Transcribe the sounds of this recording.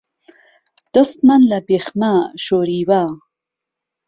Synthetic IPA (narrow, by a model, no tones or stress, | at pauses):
d̪̥əst̪manlabexmaʃoɾiwa